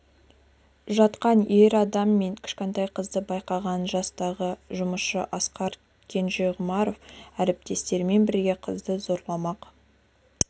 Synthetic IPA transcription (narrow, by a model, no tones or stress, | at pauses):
ʒɑt̪qɑnjeɾɑd̪ɑmːe̞ŋkʲʰɪ̥ʃkʲe̞nt̪ɑjqʰəzd̪əbɑjqɑʁɑnʒɑst̪ɑʁəʒʊməsʃəʔɑsqɑɾ | kʲʰe̞nʒe̞ʁʊmɑɾo̞fæɾɪp̚t̪e̞st̪e̞ɾme̞nbɪɾɡʲe̞qʰəzd̪əzo̞ɾlˠɑmɑq